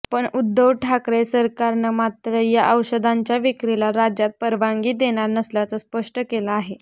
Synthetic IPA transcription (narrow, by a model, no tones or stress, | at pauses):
pəɳud̪ːəʋʈʰakɾesəɾkaɾnəmat̪ɾəjaʔəwɕəd̪aɲt͡ɕjaʋikɾilaɾad͡ʑjat̪̚pəɾʋaŋɡiːd̪eɽ̃aɾnəsljat͡səspəʂʈəkelaaɦe